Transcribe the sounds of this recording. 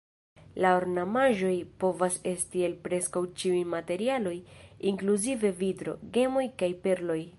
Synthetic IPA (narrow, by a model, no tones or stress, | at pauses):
laoɾnamaʒo̞jpo̞vase̞stie̞lpɾe̞skawt͡ʃiujmate̞ɾialo̞jiŋkluzive̞vidɾo̞̰ɡe̞mo̞jkajpe̞ɾlo̞j